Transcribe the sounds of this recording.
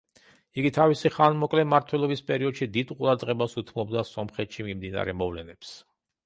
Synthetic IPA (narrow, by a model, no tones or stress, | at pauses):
iɡit̪ʰavisiχanmɔkʼlɛmaɾt̪ʰwɛlˠɔbispʼɛɾiɔd̪ʃid̪id̪qʼuɾad̪ʁɛbasut̪ʰmɔb̚d̪asɔmχɛt̪ʃimimd̪ina̰ɾɛmɔvlɛnɛps